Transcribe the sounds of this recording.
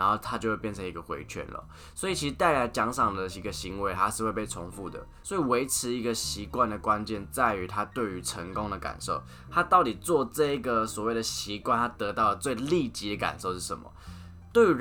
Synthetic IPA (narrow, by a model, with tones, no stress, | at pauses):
a˧˥nxo˥˩ʊt̪ʰa˥t͡ɕjo˥˧xwe˥˧pjɛ˥˩nʰə˧˦ŋi˧˥ɡə˧xwḛ˧˥ɪt͡ɕʰɥɛ̰˥˨nlə̰˩ | swɔ˧˥i˨˩t͡ɕʰi˧ʂɻ̩˧˥t̪a˥˩ɪla˧˦ɪt͡ɕjɑ˧˥ŋʂɑ˨˩ŋd̪ə˩i˧˥ɡə˧ɕi˧˦ŋwe˧˦ɪt̪ʰa˦ʂɻ̩˥˧we˥˧pe˥˩ɪo˧˥ŋfu˥˩d̪ə̰˩ | swɔ˧˥i˨˩we˧˥ɪʈ͡ʂʰɻ̩˧˥i˧˥ɡə˧˨ɕi˧˥kwa˥˨nd̪ə˩kwa˦nt͡ɕjɛ˥˧nt͡sa˥˩ɪy˧˥t̪ʰa˦t̪we˥˩ɪy˧˥ʈ͡ʂʰə˧˥ŋkʊ˦˥ŋd̪ə˨ka̰˨˩nʂo˥˩ʊ | t̪ʰa˦˥t̪ɑ˥˩ʊt̪i˨˩t͡swɔ˥˧ʈ͡ʂɤ˥˩i˧˦ɡə˨swɔ˨˩we˥˩ɪd̪ə˩ɕi˧˥˦kwa˥˧nt̪ʰa˥t̪ɤ˧˥t̪ɑ˥˩ʊlə˨˩t͡swe˥˧ɪli˥˩t͡ɕi˧˥d̪ə˨˩ka̰˨˩nʂo˥˧ʊʂɻ̩˥˩ə̰˨˧˦mɐ̰˨˩ | t̪we˥˩ɪy˧˥